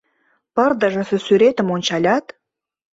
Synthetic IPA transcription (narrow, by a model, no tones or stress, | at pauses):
pə̆rd̪ə̆ʒɤ̆sɘ̆syɾet̪ə̆monʲt͡ɕɑlʲɑt̪